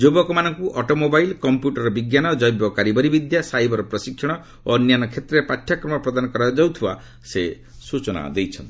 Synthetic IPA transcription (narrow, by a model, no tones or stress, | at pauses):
d͡ʒobɔkɔmanɔŋkuʔɔʈɔmobajlkɔmpjuʈɔɾɔbiɡjanɔd͡ʒɔjbjɔkaɾibɔɾibid̪jasajbɔɾɔpɾɔsikʰːjɔɽ̃ɔ | onjanɔkʰet̪ɾeepatʰːjakɾɔmɔpɾɔd̪anɔkɔɾajd͡ʒawt̪ʰiba̰ | se | sut͡ʃɔna̰d̪ejt͡ʃʰɔnt̪i